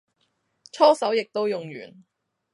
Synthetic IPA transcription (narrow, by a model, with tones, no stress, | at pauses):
t͡ʃʰɔː˥sɐ˨˥wjɪ˨k̚t̪o˥wjʊ˨ŋjy̰ː˨˩n